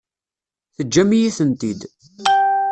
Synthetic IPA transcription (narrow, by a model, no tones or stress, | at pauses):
θəd͡ʒːæmijiθənt̪id̪